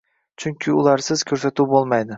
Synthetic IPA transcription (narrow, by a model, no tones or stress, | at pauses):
t͡ʃʰʊŋkʲʰɪʊlˠaɾsɪz̥kʲʰɵɾsat̪uwbolˠmajd̪ɪ